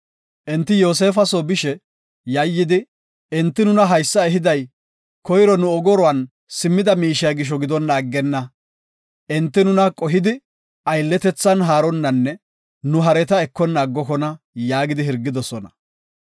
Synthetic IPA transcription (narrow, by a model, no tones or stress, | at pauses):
ʔɛnt̪ːɪjo̞ːs̬e̞ːfɐsoːbɪʃɛ | jɐjːɪd̪ɪ | ɪnt̪ːɪnʊnɐɦɐjsːɐɛɦɪd̪ɐj | kɔjɾɔnʊɔɡɔɾɔwɐn | sɪmːɪd̪ɐmiːʃɪjɐɡɪʃ̬ɔɡɪd̪ɔnːaːɡːɛnːɐ | ɛnt̪ːɪnʊnɐkʼɔɦɪd̪ɪ | ɐjlːɛt̪ɛt͡sːɐnɦaːɾɔnːɐnːɛ | nʊɦɐɾɛt̪ɐɛkːɔnːaːɡːɔkɔnɐ | jaːɡɪd̪ɪhɪɾɡːɪd̪ɔsɔnɐ